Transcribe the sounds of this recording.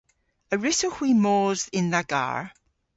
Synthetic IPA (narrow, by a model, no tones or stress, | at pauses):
əɹɪsohw̥iːmoːzɪ̃nðaɡ̥a̰ɹ